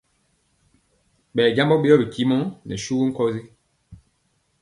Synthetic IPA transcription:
ɓɛ˨ɟa˦mbɔ˦ɓe˦jɔ˦bi˨ki˦mɔ˦nɛ̰˨ʃu˦ɡu˦ŋ̩˦kɔ˦zi˦

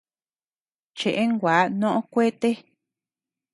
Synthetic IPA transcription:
t͡ʃe˨ʔe˦ŋɡʷaː˨˦nõ˦ʔõ˦kʷe˦t̪e˦

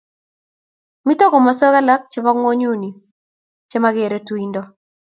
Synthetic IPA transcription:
mi˦to˦ko˨ma˨sɔ˦ɣa˦la˦k̚t͡ʃɪ˦ba˦ŋwo˦ɲu˦˨ni˨ | t͡ʃe˦ma˦ɡe˨ɾe˨tu˦i˦ndɔ˦

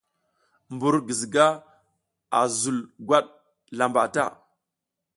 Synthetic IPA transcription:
mbu˨ɾɡə˨zi˨ɡa˦ | a̰˨zu˨lɡʷa˦ɗ | la˨mba˨ta̰˦˨

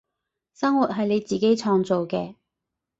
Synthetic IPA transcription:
sɐ˥ŋwu˨t̚ɦɐ˨jle˨˧jt͡siː˨ke˥jt͡sʰɔː˧ŋt͡so˨wkɛː˧

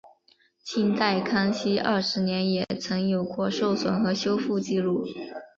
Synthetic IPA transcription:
t͡ɕʰi˥nt̪a˥˧ɪkʰɑ˥ŋɕi˥ʔɐ̰˞˥˩ʂɻ̩˧˥njɛ˧˥njɛ˨˩t͡sʰɤ˧˥ŋjo˨˩ʊkʰwɔ˥˧ʂo˥˩ʊswə˨˩nxɤ˧˥ɕjo˥ʊfu˥˧t͡ɕi˥˧lu˥˩

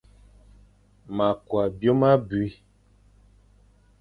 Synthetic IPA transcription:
ma˨kwa˨bjo˦ma˦bu˨i˦

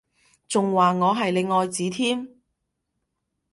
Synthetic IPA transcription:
t͡sʊ˨ŋwaː˨ŋɔː˨˧ɦɐ˨jle˨˧jŋɔː˨˧jt͡siː˨˥t̪ʰiː˥m

